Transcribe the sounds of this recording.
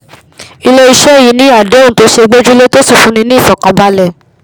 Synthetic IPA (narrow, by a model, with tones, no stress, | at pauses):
i˧le˦i˧ʃɛ˦˨ji˨˦nĩ˦a˦˨de˨˦ũ˨˦to˧˦ʃe˧ɡ͡be˦d͡ʒu˦le˦to˦si˦˨fũ˨˦nĩ˧nĩ˦˨fɔ˨kã˨ba˧˦lɛ˦˨